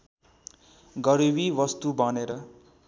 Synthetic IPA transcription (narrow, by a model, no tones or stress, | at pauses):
ɡʌɾibiʋʌst̪ubʱʌneɾʌ